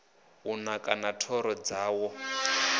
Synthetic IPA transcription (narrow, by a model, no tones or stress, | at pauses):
unakʼanatʰɔɾɔd͡zaːwɔ